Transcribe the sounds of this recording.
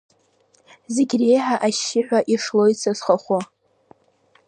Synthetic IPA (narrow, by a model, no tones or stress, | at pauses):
zeɡʲre̞jħaʔaʃːɪħᶣʷaʔiʂlo̞jt͡sʰazχaχʷʊ